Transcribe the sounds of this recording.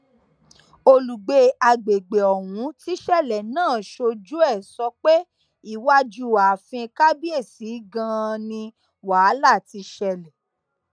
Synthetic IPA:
o˧lu˨ɡ͡be˧˦a˧ɡ͡be˨ɡ͡be˨ɔ˨wũ˨˦ti˦ʃɛ˦˨lɛ˨nãː˦˨ʃo˧d͡ʒu˦ɛ˦˨sɔ˧k͡pe˦ | i˦˨wa˦d͡ʒu˦˨a˨fĩ˧ka˦bi˦e˦˨si˨˦ɡã˧nĩ˧ | wa˨˦la˦˨ti˧ʃɛ˧lɛ˨

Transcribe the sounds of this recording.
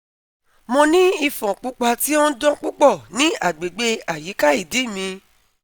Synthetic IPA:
mɔ̃˧nĩ˦i˧fɔ̃˨k͡pu˨˦k͡pa˧ti˦ɔ̃˦n̩˦dɔ̃˦k͡pu˦k͡pɔ˦˨nĩ˦a˦˨ɡ͡be˨ɡ͡be˧a˨ji˨˦ka˦i˦˨di˨˦˨mĩ˧

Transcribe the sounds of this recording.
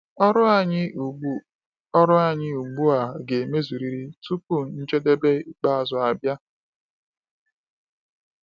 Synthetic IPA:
ɔ˦ɾʊ˦a˦˨ɲɪ˦u˨u˦ | ɔ˦ɾʊ˦a˦˨ɲɪ˦u˨ɡ͡bu˦a˨ɡe˨me˦zu˨ɾi˨ɾi˦tu˦pu˦˨n̩˦t͡ʃe˦de˦be˦i˦k͡pa˦a˨zʊ˨a˨bja˦

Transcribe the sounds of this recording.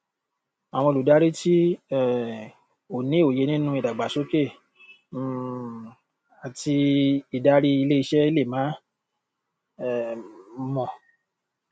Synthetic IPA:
a˨w̃ɔ̃˧lu˨da˨˦ɾi˦ti˦ɛ˦˨ | o˨nĩ˦o˨je˨˧nĩ˦nũ˦i˨da˨ɡ͡ba˨so˦ke˦˨˦ | a˨ti˧i˨da˦ɾi˦i˧le˦i˧ʃɛ˦i˦le˦˨mãː˨˦ | ɛ˦˨˦mɔ̃˨

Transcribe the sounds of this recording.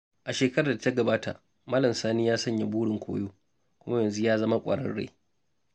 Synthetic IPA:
ʔa˨ʃeː˨kɐ˦ɾaː˨da˨tɐ˦ɡɐ˨baː˦ta̰˨ | mɐ˦lɐ˨msaː˦niː˦jaː˦sɐ˦ɲja˨buː˦ɽɪ˨ŋkʷʰo̰ː˦joː˦ | kʷʊ˦ma˦jɐ˨nzu˦jaː˦zɐ˦ma˦kʷʼɐ̰˨ɽɐ̰˦nɽḛː˦

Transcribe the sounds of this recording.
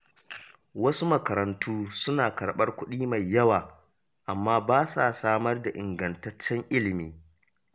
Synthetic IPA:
wɐ˦su˦mɐ˨kɐ˨ɾɐ˨ntʰuː˦sʊ˦naː˨kɐ˨ɽɓɐ˦rkʷʊ˦ɗiː˦ma˨jːɐ˦waː˨ | ʔa˨mːaː˦baː˦saː˨saː˦mɐ˦rda˨ʔɪ˨ŋɡɐ˨ntɐ˦t͡ʃːɛ˦ŋʔɪ˦lɪ˨miː˨

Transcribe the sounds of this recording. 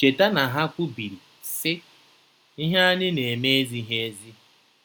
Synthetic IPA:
t͡ʃe˨ta˦na˨ɦa˦kʷʊ˦bi˨ɾi˨ | sɪ˦ | i˦ɦa˦a˦nɪ˦ne˨e˨me˦e˦zi˦ɦe˦e˦zi˦

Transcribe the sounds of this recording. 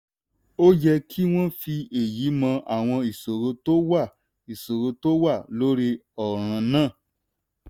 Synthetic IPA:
o˦jɛ˧kʰi˦w̃ɔ̃˦fi˧e˨ji˨˦mã˧ʔa˨w̃ɔ̃˧i˨so˨ɾo˧to˦wa˦˨ | i˨so˨ɾo˧to˦wa˦˨lo˦ɾi˦ɔ˨ɾ̃ã˧nãː˦˨

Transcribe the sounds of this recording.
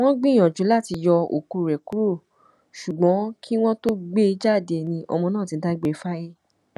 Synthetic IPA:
w̃ɔ̃˦ɡ͡bĩ˦˨j̃ɔ̃˨d͡ʒu˨˦la˦˨ti˧jɔ˧o̰˨ku˨˧˨ɾɛ˨ku˨˦ɾo˦˨ | ʃu˨ɡ͡bɔ̃˨˦kʰi˦w̃ɔ̃˦to˦ɡ͡be˦i˧˦d͡ʒa˦˨de˨˧˨nĩ˧ʔɔ̰˧mɔ̃˧nãː˦˨tĩ˧n̩˦da˦ɡ͡be˦˧fa˦je˦

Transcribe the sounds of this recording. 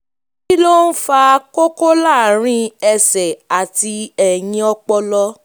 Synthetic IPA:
ki˦lo˦n̩˦fa˧ko˦ko˦la˦˨ɾ̃ĩ˦ɛ˧sɛ˨a˨ti˧ɛ˨j̃ĩ˧ɔ˧k͡pɔ˧lɔ˧

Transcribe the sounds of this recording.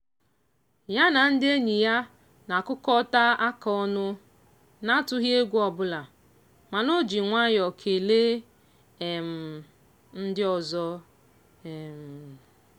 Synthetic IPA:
ja˦na˨n̩˦dɪ˦e˦ɲi˨ja˦ | na˨kʊ˦kɔ˦ta˦a˦kɔ˦nʊ˦ | na˦tʊ˦ɦje˦ɡʷu˦ɔ˨bʊ˦la˨ | ma˨no˦d͡ʒi˨ŋʷa˦jɔ˨kʰe˨le˦ | e˨m̩˨ | n̩˦dɪ˦ɔ˨zɔ˦ | e˨m̩˨

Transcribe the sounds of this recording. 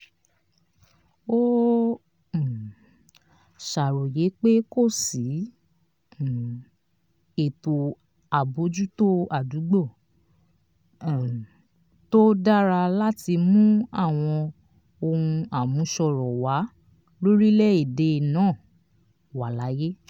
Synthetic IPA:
o˦˨ | ʃa˨ɾo˨je˨˦k͡pe˦ko˦˨si˨˦˨ | e˨to˨ | a˨bo˨˦d͡ʒu˦to˦a˨du˨˦ɡ͡bɔ˦˨˦ | to˦da˦ɾa˧la˦ti˧mũ˦a˦˨w̃ɔ̃˧ | o˧hũ˧a˨mũ˨˦ʃɔ˧ɾɔ˨wa˨˦ | lo˦ɾi˦lɛ˦i˦˨de˧˨nãː˦˨ | wa˨la˨˦je˦

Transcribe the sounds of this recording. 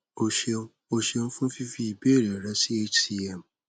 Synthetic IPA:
o˧ʃe˧˦o˧ʃe˧nũ˦fũ˦fi˦fi˦i˨be˨˦e˦˨ɾɛ˨ɾa˨˦si˦e˦ti˦ɛ˨m˨

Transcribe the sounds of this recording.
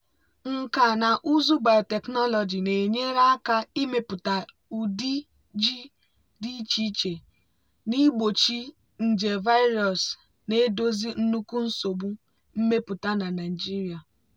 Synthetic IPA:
ŋ̩˨ka˨na˨ʔu˦zu˦ba˨te˨knɔ˦lɔ˨d͡ʒi˨ne˨ɲe˦ɾa˦a˦ka˦i˦me˦pʊ˨ta˨ | u˨di˦ | d͡ʒi˦ | di˦t͡ʃi˦t͡ʃe˨ | ni˦ɡ͡bo˨t͡ʃi˦ | n̩˨d͡ʒe˨va˦ɪ˦ɾɔ˨s | ne˦do˦zi˦n̩˦nu˦ku˦n̩˦so˨bu˦ | m̩˦me˦pʊ˨ta˦na˨na˨d͡ʒi˦ɾi˨a˨

